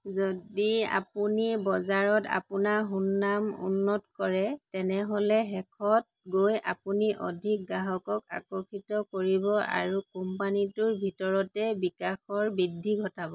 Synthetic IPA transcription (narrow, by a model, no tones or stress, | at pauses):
zodia̰punibɔzaɹɔta̰punaɦunːamṵnːɔtkɔɹɛtɛnɛɦɔlɛɦɛkʰɔt̚ | ɡoja̰puniʔɔ̰dʱik̚ɡaɦɔkɔka̰kɔkʰitɔkoɹibɔa̰ɹukɔmpanitʊɹbʱitɔɹɔtɛbikaxɔɹbidʱːiɡʱɔtabɔ